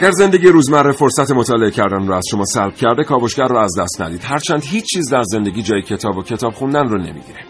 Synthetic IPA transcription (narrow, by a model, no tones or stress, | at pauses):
æɡæɾze̞nd̪e̞ɡɟiːɾuːzmærːefo̞ɾsæt̪ʰe̞mot̪ʰɒːle̞ecʰæɾd̪ænroːæz̥ʃo̞mɒːsælb̥̚cʰæɾd̪ekʰɒːboʃɡærːɔæzd̪æst̪næ̰d̪iːd̪̥hæɾt͡ʃʰæːnd̪ɦiːt͡ʃt͡ʃːt͡ʃʰːiːzd̪æɾze̞nd̪e̞ɡʲiːd͡ʒɒːjecʰe̞t̪ʰɒːbocʰe̞t̪ʰɒːbχund̪ænroːne̞̰mḭɟ̪iɾe